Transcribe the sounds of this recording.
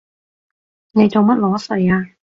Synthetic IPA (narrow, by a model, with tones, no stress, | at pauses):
ne˨˧jt͡so˨wmɐ˥t̚lɔː˨˥sɵ˨˩jaː˧